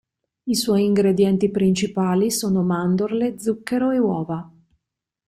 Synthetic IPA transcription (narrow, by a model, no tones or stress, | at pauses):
iswɔjiŋɡɾed̪jɛnt̪ipɾint͡ʃipaːlisoːnomand̪orled̪zukːeɾoewɔːva